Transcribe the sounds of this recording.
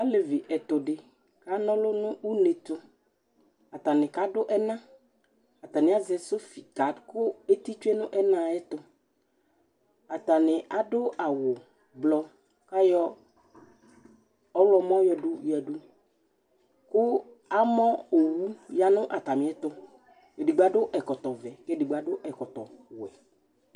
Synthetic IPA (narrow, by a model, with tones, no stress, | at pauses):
a˦le˨vi˨ʔɛ˨t̪ʊ˨ɖɪ˨ | ka˦nɔ̃˦lʊ˦nʊ̃˦wu˦ne˨t̪ʊ˦ | a˨t̪a˨nɪ̃˨ka˦ɖʊ˦ʔɛ˦nã˦ | a˨t̪a˨nɪ̃˨˦a˦zɛ˨so˦fi˨ka˨˦dkʊ˦e˦t̪i˦t͡ʃu˦e˦nʊ̃˦ʔɛ˦nã˦ɛ˦t̪ʊ˦ | a˨t̪a˨nɪ̃˨ʔa˨ɖʊ˦a˨wʊ˨ | blɔ˦ | ka˦jɔ˦ | ɔ˦wlɔ˨mɔ̃˦jɔ˨ɖu˦jɛ˨du˦ | kʊ˦ | a˦mɔ̃˦o˨wu˦ja˨nʊ̃˦ʔa˨t̪a˨mɪ̃˨˦ɛ˦t̪ʊ˦ | e˨di˨ɡ͡ba˨˦ɖʊ˦ʔɛ˨kɔ˨t̪ɔ˨vɛ˨ke˦di˨ɡ͡ba˨˦ɖʊ˦ʔɛ˨kɔ˨t̪ɔ˨wʊ˨ɛ̰˨